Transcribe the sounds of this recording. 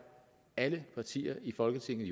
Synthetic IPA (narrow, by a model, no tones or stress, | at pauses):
æləpʰɑ̈t͡sʰḭːɐʔifɒ̽lɡ̥ət͡sʰe̝ŋ̰ðˠ